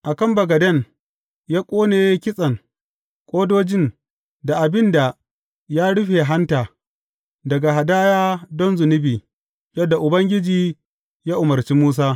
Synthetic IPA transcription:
ʔa˨kɐ˦mbɐ˨ɡɐ˨dɐ˦˨n | jaː˦kʷʼoː˦neː˨je˦kʲɪ˦sʼɐ˨ŋ | kʷʼoː˦doː˦d͡ʒɪ˦˨ŋ | da˨ʔa˨bɪ˦nda˨ | jaː˦ɽʊ˦ɸeː˨ɦa˦ntaː˨ | dɐ˨ɡa˨ɦa˨daː˦jaː˦dɔ˦nzʊ˨nɪ˦biː˨ | jɐ˦dːa˨ʔʊ˨bɐ˦ŋɡʲɪ˦d͡ʒiː˨ | jaː˦ʔʊ˨mɐ˨rt͡ʃiː˦muː˦s̬aː˦

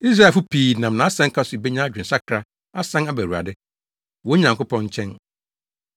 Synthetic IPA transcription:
i˦s̬ɾa˦˨fʊ˦pʰiː˨nã˨m˨nã˨˦sɛ̃˦ŋ̩˦kʰa˦sʊ˨i˨be˦ɲã˦d͡ʑᶣɪ̃˨n̩˨sa˦kʰɾa˦ | a˦sã˦na˦bæ˨ɾu˨a̰˨dɪ˦ | wɔ˨˦ɲã˨ŋkʊ˦pʰɔ̃˦ɲ̩˦t͡ɕʰɛ̃˦n

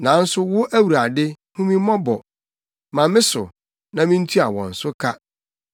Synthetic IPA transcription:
nã˨˦n̩˦sʊ˦wʊ˦ʔæ˦wu˨ɾa˨dɪ˦ | hũ˦mĩ˦mɔ̃˦bɔ˨ | mã˨mɪ̃˦sʊ̰˨ | nã˨mĩ˦n̩˦tʰu˦a˨wɔ̰̃˨n̩˨sʊ˦kʰa˦

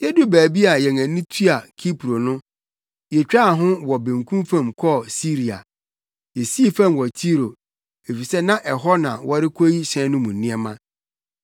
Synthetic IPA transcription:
jɛ˦dʊ˦bæː˨bi˦a˨jɛ̃˨ŋæ̃˨nĩ˦tʰi˦a˨kʰi˦pʰɾo˨nʊ̃˦ | jɛ˨t͡ɕᶣa˦˨ɦʊ̃˦wɔ˨bẽ˨ŋkʰũ˦mfã˦˨mkʰɔ˦˨si˦ɾi˨a̰˨ | jɛ˨si˦i˦fã˦˨mwɔ˨tʰi˦ɾo˨ | e˨fi˨sɛ˦nã˦ʔɛ˨ɦɔ˦nã˨wɔ˦ɾɪ˦kʰo˦ji˦ɕɛ̃˦nʊ̃˦mũ˨nɪ̃˦ɛ˦mã˦

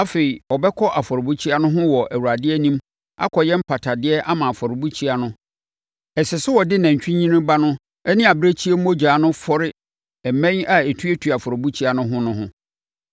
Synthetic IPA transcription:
a˦fe˨i˨ɔ˨bɛ˦kʰɔ˦ʔa˨fɔ˨ɾɪ˨bu˦t͡ɕʰi˦a˦nʊ̃˦ɦʊ̃˦wɔ˨ʔæ˨wu˨ɾa˨dɪ˦ɛ˦nĩ˦m | a̰˦kʰɔ˨jɛ˦m̩˦pʰa˨tʰa˨dɪ˦ɛ˦ʔa˦mã˨a˨fɔ˨ɾɪ˨bu˦t͡ɕʰi˦a˨nʊ̃˦ | ɛ˨sɪ˨sʊ˦wɔ˨dɪ˦nã˨ɲ˨t͡ɕᶣĩ˦ɲĩ˦nɪ̃˦ba˦nʊ̃˦ | ɛ˦nɪ̃˦a˨bɪ˦ɾe˦t͡ɕʰi˦e˦m˦o˦d͡ʑᶣaː˨˦nʊ̃˦fɔ˦ɾɪ˦ | ɛ˨mɛ̃˦ɲa˨e˨tʰu˦e˦tʰu˨a˨fɔ˨ɾɪ˨bu˦t͡ɕʰi˦a˦nʊ̃˦ɦʊ̃˦nʊ̃˦ɦʊ̃˦

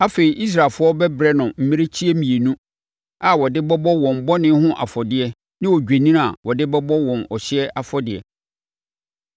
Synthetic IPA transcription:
a˦fe˨i˨ʔi˦s̬ɾa˨lfʊ˦ɔ˦bɛ˦bɾɛ˦nʊ̃˨m̩˦mĩ˦ɾe˦t͡ɕʰi˦ɛ˦mĩ˨e˨nũ˦ | a˨wɔ˨dɪ˦bɔ˦bɔ˦wɔ̃˨m˨bɔ˦nɪ̃˦hʊ̃˦ʔa̰˨fɔ˨dɪ˨ɛ˦ | nɪ̃˦wɔ˨d͡ʑᶣe˨nĩ˦ɾa̰˨wɔ˨dɪ˦bɔ˦bɔ˦wɔ̃˨nɔ˨ɕɪ˦ɛ˦ʔa˨fɔ˦dɪ˨ɛ̰˨

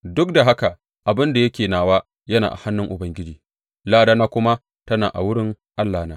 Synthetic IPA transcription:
dʊ˦k̚da˨ɦa˦ka˨ | ʔa˨bɪ˦nda˨jɐ˦kʲeː˨naː˨waː˦ | jɐ˦na̰˨ʔa̰˨ha˦nːʊ˦ŋʔʊ˨bɐ˨ŋɡʲɪ˦d͡ʒiː˨ | laː˦daː˦naː˦kʷʊ˦ma˦ | tɐ˦na̰ː˨ʔa̰˨wʊ˦ɽɪ˦ŋ | ʔa˦lːaː˨naː˦

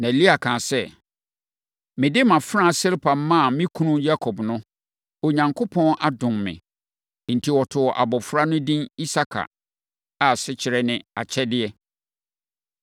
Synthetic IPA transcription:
nã˨e˨li˦a˨kʰãː˨sɛ˦ | mɪ̃˨dɪ˦mã˨fɾã˦˨sɪ˦lpʰa˨m̩˦mːã˦˨mɪ̃˦kʰũ˦nũ˦ja˦kʰɔ˨bnʊ̃˦ | o˨ɲã˨ŋkʰo˦pʰɔ̃˦nʔa˦dʊ̃˨mmɪ̰̃˨˦ | n̩˨tʰi˨wɔ˨tʰʊ˨ɔ˨ʔa̰˨bɔ˨fɾa˦nʊ̃˦dĩ˦ni˦sa˦kʰa̰˨ | a˨sɪ˦t͡ɕʰɪ˨ɾɛ˦nɪ̃˦a̰˨t͡ɕʰɛ˦dɪ˦ɛ˦

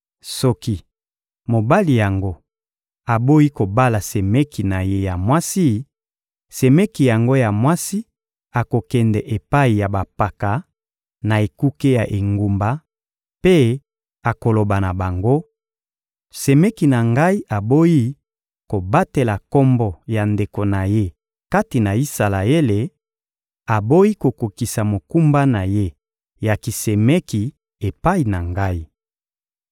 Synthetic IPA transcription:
sɔ˦ki˦ | mo˨ba˦li˨ja˨ŋɡo˦ | a˨bo˦ji˦ko˨ba˦la˨se˨me˦ki˨na˨je˦ja˨mwa˦si˦ | se˨me˦ki˨ja˨ŋɡo˦ja˨mwa˦si˦ | a˨ko˨kɛ˨ndɛ˨ʔe˨pa˦i˨ja˨ba˨pa˨ka˨ | na˨e˨ku˦ke˦ja˨ʔe˨ŋɡu˨mba˨ | pe˦ | a˨ko˨lo˨ba˨na˨ba˨ŋɡo˦ | se˨mɛ˦ki˨na˨ŋɡa˦i˦ʔa˨bo˦ji˦ | ko˨ba˦te˨la˨kɔ˦mbɔ˨ja˨nde˨ko˨na˨je˦ | ka˦ti˨na˨i˦sa˨la˨e˦le˨ | a˨bo˦ji˦ko˨ko˨ki˨sa˨mo˨ku˦mba˦na˨je˦ | ja˨ki˨se˨me˦ki˨ | e˨pa˦i˨na˨ŋɡa˦i˦

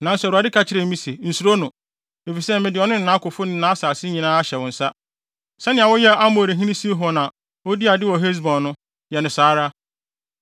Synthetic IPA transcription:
nã˨n̩˦sɛ˨ɾu˨a˨dɪ˦kʰa˨t͡ɕʰɪ˦ɾɛ˨˦mĩ˦se˨n̩˨su˨ɾo˦nʊ̃˨ | e˨fi˨sɛ˦mɪ̃˨dɪ˨ɔ˨nʊ̃˦n˨nã˨˦kʊ˨fʊ˦nɪ̃˦nã˨˦saː˨sɪ˦ɲĩ˨nãː˦a˦ɕɛ˨wɔ̃˨n̩˨sa˦ | sɛ˦nɪ̃˨a˨wɔ˦jɛ˦a˦mo˨ɾe˨ɦĩ˦nĩ˦si˦ɦɔ˨nã˨ | o˦di˦a˨dɪ˦wɔ˨ɦe˦s̬bɔ̃˨nːʊ̃˦ | jɛ˨nʊ̃˨saː˨˦ɾa˦

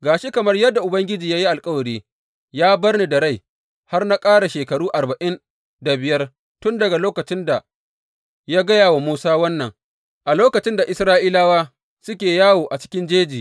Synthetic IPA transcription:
ɡaː˨ʃi˦kɐ˨mɐ˦rjɐ˦dːa˨ʔʊ˨bɐ˦ŋɡʲɪ˦d͡ʒiː˨jaː˦ji˦ʔa˨lkʼɐ˦wɐ˨ɽiː˦ | jaː˦bɐ˦rni˨dɐ˨ɽa˦j | ha˦rna˦kʼaː˦ɽa˨ʃeː˨kɐ˨ɽuː˦ʔa˨bɐa˨ʔɪ˦n | da˨bɪ˨jɐ˦r | tʊ˦ndɐ˨ɡa˨loː˦kɐ˨t͡ʃɪ˦nda˨ | jaː˦ɡɐ˦jaː˨wa˨muː˦saː˦wɐ˦nːɐ˨ŋ | ʔa˨loː˦kɐ˨t͡ʃɪ˦nda˨ʔɪ˦sɾaː˦ʔiː˦laː˦waː˦ | sʊ˦kʲeː˨jaː˦woː˨ʔa˨t͡ʃɪ̥˦kʲɪ˦nd͡ʒeː˦d͡ʒiː˨

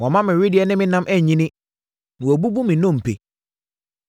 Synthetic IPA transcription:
wɔ̃˨mã˦mɪ̃˨ɾɪ˦dɪ˨ɛ˦nɪ̃˦mɪ̃˦nã˦mʔɛ˦˨ɲĩ˦nɪ̃˦ | nʊ̃˨o˨bu˦bu˦mɪ̃˨nɔ̃˦˨m̩˨pʰḛ˨

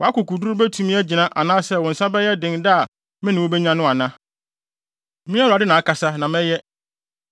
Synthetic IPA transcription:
wɔ˨a˦kʊ˨kʰu˨du˦ʊ˦bɛ˦tʰũ˨mĩ˦æ˦d͡ʑi˨nã˦ʔa˨nãː˦sɛ˦wɔ̃˨n̩˨sã˦bɛ˦jɛ˦dɪ̃˨nda˦˨ | mɪ̃˦nɪ̃˨wo˦bɛ˦ɲã˦nʊ̃˦a˨nã˦ | mĩ˦a˦ɾa˨dɪ˦nã˨a˦˨kʰa˨sa˦nã˨mɛ̃˦jɛ˦

